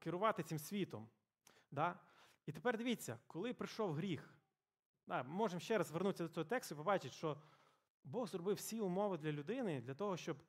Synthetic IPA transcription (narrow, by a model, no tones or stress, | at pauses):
kɪɾʊʋɑt̪ɪt͡sʲimsʲʋʲit̪ɔm | d̪ɑ | it̪epɛrd̪ɪʋʲit͡sʲːɐkɔlˠɪpɾɪʃɔwɦɾʲix | d̪ɑmɪmɔʒemʃt͡ʃɛɾɐzʋernusʲɐd̪ɔt͡s̪ʲɔɦɔt̪ɛkst̪ʊipɔbɑt͡ʃɪt̪ʃt͡ʃɔ | bɔɣzɾrɔbɪwsʲiʊmɔʋɪd̪lʲɐlʲʊd̪ɪnɪd̪lʲɐt̪ɔɦɔʃt͡ʃɔb